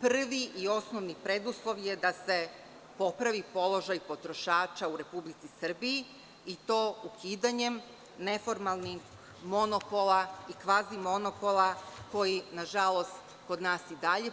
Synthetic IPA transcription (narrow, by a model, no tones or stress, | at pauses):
pr̩ʋiʔio̞sno̞ʋnipɾe̞d̪uslˠo̞ʋjed̪ase̞ | po̞pɾaʋipo̞lˠo̞ʒajpo̞t̪ɾo̞ʃaːt͡ʃauɾe̞publit̪sisr̩bii | it̪oːukiːd̪aɲe̞m | ne̞fo̞ɾmalˠnix | mo̞nopo̞laikʋaːzimo̞no̞polˠako̞jinaʒalo̞st̪ | ko̞d̪naːsid̪aʎe̞